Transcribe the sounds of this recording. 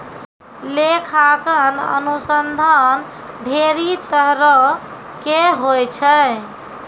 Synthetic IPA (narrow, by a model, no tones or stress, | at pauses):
lekʰakənə̰nusənd̪ʱan | ɖʱeɾit̪əɦɾə | keɦojt͡ʃʰə